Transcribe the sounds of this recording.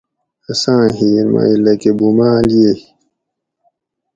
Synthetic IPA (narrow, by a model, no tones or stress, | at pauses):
ɐsãːɦiːɾma̰ilɐkebumaːljehi